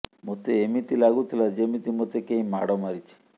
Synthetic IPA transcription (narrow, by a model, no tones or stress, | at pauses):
mot̪eemit̪ilaɡut̪ʰilad͡ʒemit̪imot̪ekejma̰ɽomaɾit͡ʃʰi̥